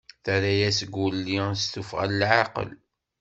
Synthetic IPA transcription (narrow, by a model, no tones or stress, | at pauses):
θæɾæjæsəɡulːist̪ufʁa̰ləlʕaqə̰l